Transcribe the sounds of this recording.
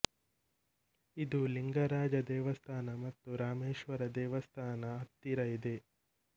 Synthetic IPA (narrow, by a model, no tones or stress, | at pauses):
id̪uliŋɡɐɾaːd͡ʒɐd̪ɛːʋɐst̪ʰaːnɐmɐt̪ːuɾaːmeːʃʋɐɾɐd̪ɛːʋɐst̪ʰaːnɐɐt̪ːiɾɐid̪e